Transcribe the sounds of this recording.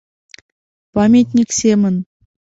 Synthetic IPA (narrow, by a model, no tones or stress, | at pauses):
pɑmʲet̪ʲnʲiksʲemʲɘ̆n